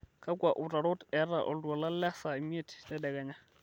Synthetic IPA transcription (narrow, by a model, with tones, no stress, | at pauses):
kʰa˦kwa˨ʔu˨ra˨ɾɔ˦tɛ˦ɾa˨ʔɔ̰˨ldu˨a˨la˦la˦sa˨i˨mi˦e˦˨ttɛ˦dɛ˨ka˨ɲa˦